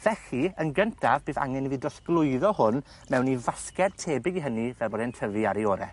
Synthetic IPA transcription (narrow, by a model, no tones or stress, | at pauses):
v̥ɛɬiənɡəntʰavbeːða̰ŋɛniðidɔsɡlˠʊɨðɔhʊn | mɛwnivaskɛrtʰeːbɪɡiɦənivɛlbɔːdɛntʰəvɨaɾeɔːɾɛ̰